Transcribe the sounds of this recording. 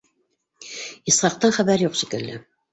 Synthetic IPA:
isχɑq̚t̪ɑɴχæβæɾjuqʃikɘ̆lːɘ

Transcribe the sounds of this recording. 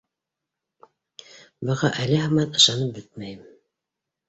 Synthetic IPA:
bɤ̆ʁɑʔælɘɦɑmɑt̪ɤ̆ʃɑnɤp̚bɘt̪̚mæjɘm

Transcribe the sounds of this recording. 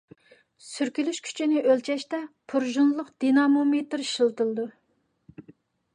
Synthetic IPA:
syɾkʲylyʃkʲʰy̥t͡ʃʰinɪʔølt͡ʃʰɛʃt̪ɛpʰuɾʒunlˠʊqd̪̥inɑmomet̪ɾʃɨlˠt̪ɨlˠɨd̪u

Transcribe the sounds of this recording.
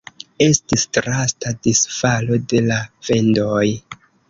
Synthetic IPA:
e̞stistɾastadisfalo̞de̞lafe̞ndo̞j

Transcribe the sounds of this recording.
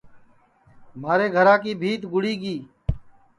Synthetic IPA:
maːɾeːɡʱəɾãːkiːbʱiːt̪ɡʊɽiːɡiː

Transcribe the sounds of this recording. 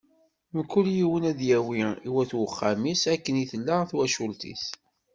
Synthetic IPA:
məkːʊljiwənæðjæwiiwæθwəχːamisækːəniθəlːaθwæʃult̪ḭθ

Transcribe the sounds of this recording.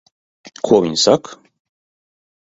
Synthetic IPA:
kʰɔwinsakʰ

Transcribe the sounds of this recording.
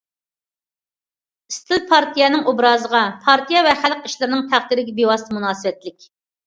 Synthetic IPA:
ist̪ʰɪlpʰɑɾt̪ʰijɛnɨŋubɾɑːzəʁɑpʰɑɾt̪ʰijɑvɛχæləqiʃlɨɾɪnɨŋt̪ʰæχt̪iɾɪɡʲɛbewɑsɨmunɑːsɨwɛt̪lɪkʲ

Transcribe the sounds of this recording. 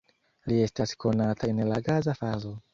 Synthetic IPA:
liɛstasi̥konat̪ʰanelaɡazafazo

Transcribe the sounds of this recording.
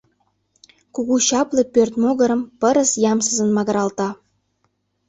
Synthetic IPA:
kuɣuɕɑplˠɤ̆pørt̪moɣə̆ɾə̆mpə̆ɾə̆sjɑmsə̆zə̆nmɑɣɤ̆ɾɑlˠt̪ɑ

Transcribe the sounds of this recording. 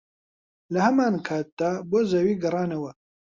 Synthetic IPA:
lɐhɐmaːnkʰaːt̪̚d̪aːboːzɐwiːɡɨrˤɑːnɐwɐ

